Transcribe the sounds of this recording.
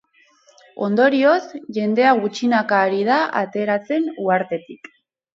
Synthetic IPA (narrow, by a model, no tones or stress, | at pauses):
o̞̰nd̪o̞ɾio̞sʝe̞nd̪e̞aɣut͡ʃinakaːɾið̞aʔa̰t̪e̞ɾat͡se̞nuaɾt̪e̞t̪ik